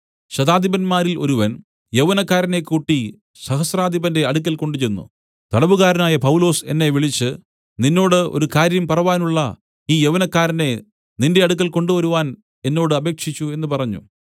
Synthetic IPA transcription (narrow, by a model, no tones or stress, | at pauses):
ɕɐd̪aːd̪ʱibɐnmaːɾilo̞̰ɾuʋɐn | jeʋɐnɐkːaːɾɐne̞kuʈːi | sɐhɐsraːd̪ʱibɐnde̞ɐɽukːɐlko̞ɳɖut͡ɕenːṵ | t̪ɐɽɐʋuɣaːɾɐnaːjɐpɐwlo̞ːse̞nːe̞ʋiɭit͡ɕːɨ | ninːo̞ːɽɨo̞̰ɾukaːɾjɐmpɐrɐʋaːnuɭːɐ | iːjeʋɐnɐkːaːɾɐne̞ | ninde̞ɐɽuk̬ːɐlko̞ɳɖuʋɐɾuʋaːn | e̞nːo̞ːɽɨɐbe̞ːkʂit͡ɕːue̞nːɨpɐrɐɲːṵ